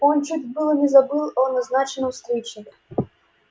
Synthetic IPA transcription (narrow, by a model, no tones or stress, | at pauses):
ont͡ʃutʲbɨlˠnʲɪzɐbɨlˠonɐznat͡ɕɪnəmst̪ɾit͡ɕnʲɪkʲɪ